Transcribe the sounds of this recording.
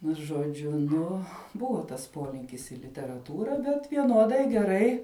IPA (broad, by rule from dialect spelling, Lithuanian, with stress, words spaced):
nʊ ʒoːˈd͡ʒʲʊ ˈnʊ ˈbʊʋoː tɐs ˈpoːlʲɪŋʲkʲɪs ɪ lʲɪtʲɛrɐˈtuːrɐ bʲɛt ʋʲiɛˈnuɔdɐɪ ɡʲɛˈrɐɪ